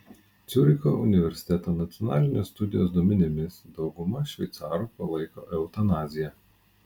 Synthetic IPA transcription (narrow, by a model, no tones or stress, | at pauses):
t̪sʲʊɾʲɪko̰ːʔʊnʲɪʋʲɛɾʲsʲɪ̥t̪ʲɛt̪oːnɐt̪sʲɪɔnɑːlʲɪnʲoːst̪ʊd̪ʲɪjo̰ːsd̪oɔmʲɪnʲɪmʲɪsd̪ɒʊɡʊmɐʃʲʋʲɛɪt̪sɑːɾupɐlˠɐɪko̰ːʔɛʊt̪ɐnɑːzʲɪjɛ